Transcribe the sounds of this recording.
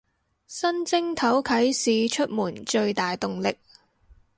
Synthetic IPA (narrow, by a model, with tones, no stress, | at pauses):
sɐ˥nt͡sɪ˥ŋt̪ʰɐ˨˥wkʰɐ˨˥jsiː˨˧t͡ʃʰɵ˥t̚muː˨˩nt͡ʃɵ˧ɥt̪aː˨jt̪ʊ˨ŋlɪ˨k̚